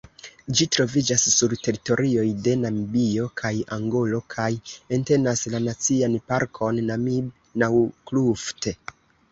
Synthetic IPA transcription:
d͡ʒitɾo̞vid͡ʒasːuɾte̞ɾito̞ɾio̞jde̞namibio̞kʰajaŋɡo̞lo̞kʰaje̞nte̞naslanat͡sianpaɾkʰo̞nːamib | nawklufte

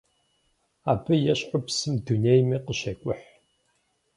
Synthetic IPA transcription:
aːbɨjɛɕʼʊpsɨmdunejmiqəɕeːkʷʼʊħ

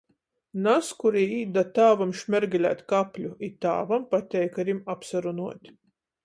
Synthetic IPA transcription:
naskuɾiiːd̪at̪aːvamʃmʲɛɾɡʲɛlʲæ̰ːt̪ʲkapʲlʲuit̪a̰ːvampat̪ʲɛjkaɾʲimapsaɾunuɔt̪ʲ

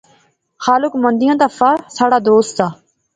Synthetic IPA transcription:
xaːlʊkmə̃nd̪ɪjãːt̪aːfaːsaːɽaːd̪oːst̪saː

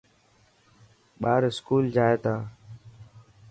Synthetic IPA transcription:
ɓaːɾɪskuːld͡ʒaːeːt̪aː

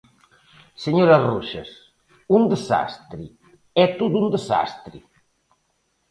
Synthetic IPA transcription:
səɲoɾɐruʃɐ̰s | und̪əza̰st̪ɾi | ɛt̪od̪und̪əza̰st̪ɾḭ

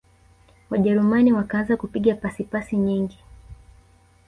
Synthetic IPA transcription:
waʄɛɾumaniwakaanzakupiɠapasipasiɲiŋɡi

